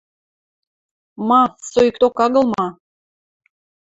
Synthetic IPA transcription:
mɑsojikt̪okɑɣɤ̆lˠmɑ

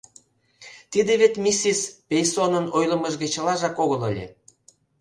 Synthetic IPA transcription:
t̪id̪eβet̪mʲisispʲejsonənojlə̆məʒɣĕt͡ɕə̆lɑʒɑkoɣələ̰lʲḛ

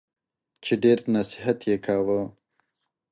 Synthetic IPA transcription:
t͡ʃeɖeɾnasɪɦat̪jekʰawə

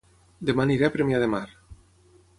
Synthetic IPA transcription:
d̪emaniɾɛpɾemjaðemaɾ

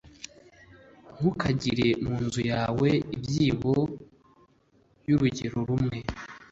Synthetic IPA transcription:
ŋ̥ukaɟiɾe̞muːnzujaːweibjiːβo̞ | juɾuɟeɾo̞ɾumŋe̞

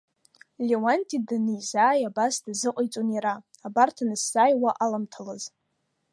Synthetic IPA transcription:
lʲewantʼidanɨjzaːjabasdazɨqʷʼajt͡sʼoniɾa | abartʰanɨsːajwaʔalamtʰalaz

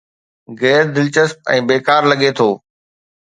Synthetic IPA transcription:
ɡɛːɾd̪ɪlt͡ɕəsp̚ɛ̰̃ːbeːkaːɾlɐɠet̪ʰoː

